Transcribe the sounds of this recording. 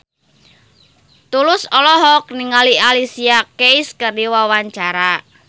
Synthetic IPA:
t̪ulʊsɔlɔɦɔk̚niŋalialisiakeiskərdiwawaɲt͡ʃaɾa

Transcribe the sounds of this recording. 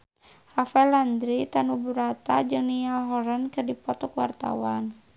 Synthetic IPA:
rafaɛland̪ɾit̪anubuɾat̪ad͡ʒɨŋnijalɦɔɾankɨrdipɔt̪ɔkwa̰rt̪a̰wan

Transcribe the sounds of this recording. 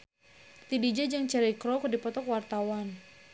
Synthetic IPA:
t̪idid͡ʒad͡ʒaŋt͡ʃaɾikɾɔkdipɔt̪ɔkwart̪awan

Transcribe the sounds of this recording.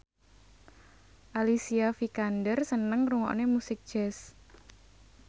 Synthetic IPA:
ʔalisiafikandərsənəŋruŋɔ̰nemusɪk̚d̥ʒ̥ɛs

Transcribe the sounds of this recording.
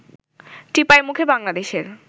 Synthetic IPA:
ʈipaemukʰebaŋlad̪eʃeɾ

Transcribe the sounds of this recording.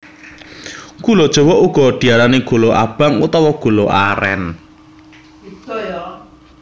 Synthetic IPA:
kulod̥ʒ̥ɔ̤wɔʔuɡ̥ɔ̤d̪̥i̤aɾaneɡ̥o̤loʔa̰b̥aŋṵt̪ɔwɔɡ̥o̤loʔaɾɛ̰n

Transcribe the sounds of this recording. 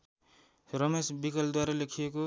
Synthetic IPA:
ɾʌmesbikʌld̪waɾʌlekʰijeko

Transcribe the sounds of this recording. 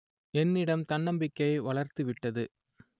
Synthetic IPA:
ɛnːɪɽɐmt̪ɐɳːɐmbɪkːɐɪʋɐɭɐɾt̪ɯʋɪʈːɐðɯ

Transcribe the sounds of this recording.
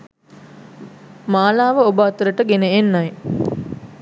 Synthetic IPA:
maːlaːʋəobəat̪uɾəʈəɡenəenːaj

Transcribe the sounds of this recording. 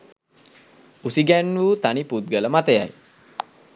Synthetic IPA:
usiɡænʋuːt̪aniput̪̚ɡələmat̪əja̰j

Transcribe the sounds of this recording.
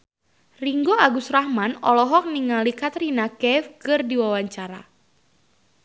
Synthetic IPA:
riŋɡoaɡusrahmanɔlɔɦɔk̚niŋalikat̪rinakɛfkɨrdiwawaɲt͡ʃaɾa̰

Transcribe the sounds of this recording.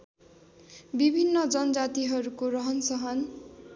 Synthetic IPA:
bibʱinːʌd͡zʌnʌd͡zat̪iɦʌɾukoɾʌɦʌnsʌɦʌn

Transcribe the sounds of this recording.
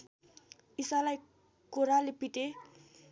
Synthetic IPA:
isalaj | kuɾalepiʈe

